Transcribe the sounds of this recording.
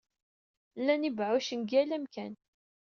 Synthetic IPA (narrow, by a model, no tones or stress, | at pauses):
lːænibʕuʃənɡælæmkæn